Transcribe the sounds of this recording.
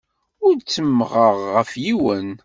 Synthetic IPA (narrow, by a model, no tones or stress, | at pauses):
ʊɾt͡sːəmːʁəʁːəfjiwən